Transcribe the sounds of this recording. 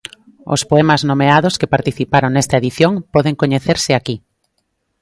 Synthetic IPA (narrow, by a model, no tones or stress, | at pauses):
o̰spoɛmaznomeaðoskepaɾt̪iθipaɾoŋnɛst̪ɐeðiθjoŋpɔðeŋkoɲeθeɾsɪaki